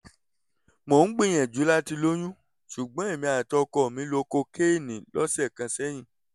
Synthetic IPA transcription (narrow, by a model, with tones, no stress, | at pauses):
mo˨n̩˦ɡ͡bĩ˦˨j̃ɛ̃˨d͡ʒu˨˦la˦ti˧lo˦j̃ũ˦ | ʃu˨ɡ͡bɔ̃˨˦e˦˨mĩ˧˦a˨tɔ˧kɔ˧˨mĩ˨˦lo˧ko˧ke˦˨nĩ˨lɔ˦sɛ˦˨kã˧sɛ˦j̃ĩ˦˧˨